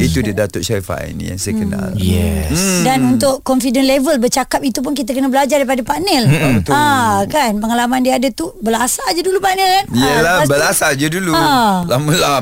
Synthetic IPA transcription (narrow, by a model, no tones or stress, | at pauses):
it̪udidat̪ʊʔʃaifa̰n̰ja̰ŋsajəkəna̰ljɛ̰sdanunt̪ʊʔkɔnfidənlevəlbərt͡ʃakap̚it̪up̬ʊnkit̪̬akənəbəlad͡ʒardajpadəpaʔnɛlt̪akanpəŋalamãndiaadət̪ubəlasad͡ʒadulupaʔnɛlkaniəlabəlasad͡ʒədulualaməla